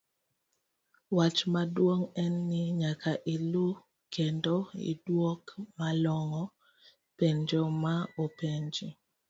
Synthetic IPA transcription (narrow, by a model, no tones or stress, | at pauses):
wat͡ʃmadwoŋɛnːɪɲakʰaʔilu | kendoḭdwokmalɔŋɔ | peɲd͡ʒomaopeɲd͡ʒi